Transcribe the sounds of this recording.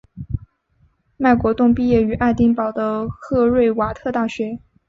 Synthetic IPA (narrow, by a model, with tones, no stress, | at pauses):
ma˥˩ɪkwɔ˧˥t̪ʊ˥˧ŋpi˥˧jɛ˥˩y˨˧˥ʔa˥˧ɪt̪i˥ŋpɑ˨˩ʊd̪ə˦xɤ˥˧ɻwe˥˩ɪwa˨˩t̪ʰɤ˥˧t̪a˥˩ɕɥɛ˧˥